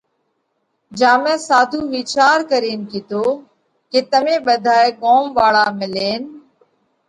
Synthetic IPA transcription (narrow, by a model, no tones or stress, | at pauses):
d͡ʒaːmɛ̃ːsaːd̪ʱuːʋiːt͡ʃaːɾkəɾiːnkiːt̪oː | keːt̪əmẽːɓəd̪ʱaːeːɠoːmʋaːɭaːmɪleːn